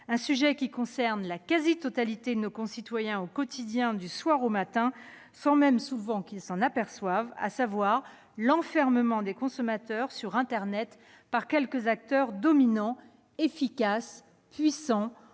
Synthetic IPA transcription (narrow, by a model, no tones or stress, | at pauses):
ɛ̃syʒɛkʲikɔ̃sɛʁnlakazit̪ɔt̪alit̪ed̪ənokɔ̃sit̪wajɛ̃okɔt̪ʰid̪jɛ̃d̪yswaʁomat̪ɛ̃ | sɑ̃mɛmsuvɑ̃kilsɑ̃napɛʁswava̰savwaʁ | lɑ̃fɛʁməmɑ̃d̪ekɔ̃sɔmat̪œʁsyʁɛ̃t̪ɛʁnɛt̪ | paʁkʲɛlkəzak̚t̪œʁd̪ɔminɑ̃ | efikas | pɥisɑ̃